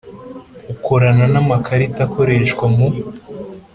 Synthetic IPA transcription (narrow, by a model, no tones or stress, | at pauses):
ukoɾananamakʰaɾitako̞ɾe̞ʃkwamu